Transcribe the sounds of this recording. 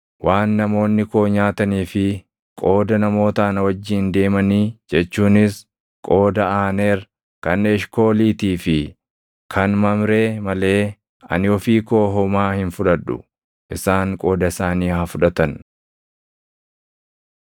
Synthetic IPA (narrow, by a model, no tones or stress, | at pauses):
waːnːɐmo̞ːnːɪko̞ːɲaːt̪ɐniːfɪ | kʼo̞ːd̪ɐnɐmo̞ːt̪ɐːnɐwɐd͡ʒːiːnd̪e̞ːmɐniːd͡ʒɛt͡ʃːuːnɪs | kʼo̞ːd̪ɐaːneːɾ | kɐnɛʃko̞ːliːt̪iːfɪ | kʰɐnmɐmɾeːmɐle̞ː | ɐ̰nɪɔfiːko̞ːɦɔmaːhɪnfʊᶑɐᶑʊ̰ | ʔɪsaːŋkʼo̞ːd̪ɐɪsaːniːhɐfʊᶑɐt̪ɐn